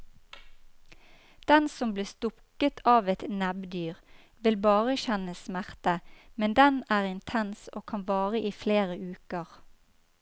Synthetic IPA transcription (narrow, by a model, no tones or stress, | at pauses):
d̪̥ɛnsɔmbliːst̪ʊkət̪ʰɑːʋɛt̪nɛbd̪yːʁ | ʋɪlbɑːʁəçɛnəsmæʁt̪əmɛnd̪ɛnæːʁɪnt̪ʰɛnsoːkʰɑnʋɑːʁəʔiːfleːʁəʔʉːkəʁ